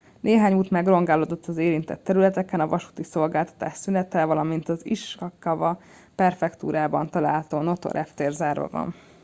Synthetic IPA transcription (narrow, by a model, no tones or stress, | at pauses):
nʔeːɦaːɲuːt̪mɛɡro̞ŋɡaːloːd̪ot̪ːɒzeːɾint̪ɛt̪ːɛɾylɛt̪ɛkɛnɒvɒʃu̥t̪iso̞lɡaːlt̪ɒ̥t̪a̰ːʃsynɛt̪ɛvɒlɒmint̪ɒziʃɒkːɒvɒ | pɛrfɛkt̪ṵːɾaːbɒnt̪ɒla̰ːlt̪oːno̞t̪o̰ɾʔɛft̪eːrzaːrɒ̰vɒ̰n